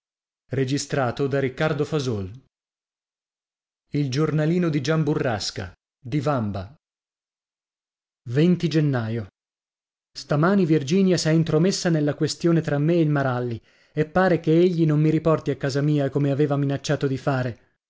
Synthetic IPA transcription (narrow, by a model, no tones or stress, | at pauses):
red͡ʒist̪ɾaːt̪od̪arikːard̪ofazol | ild͡ʒornaliːnod̪id͡ʒamburːaska̰ | d̪ivamba | vent̪id͡ʒenːaːjo | st̪amaːnivird͡ʒiːnjasɛint̪ɾomesːanelːakwest̪joːnet̪ɾamːeilmaɾalːi | epːaːɾekeeʎːinomːiɾipɔrt̪iakːaːzamiːakomeaveːvaminat͡ʃːaːt̪od̪ifaːɾe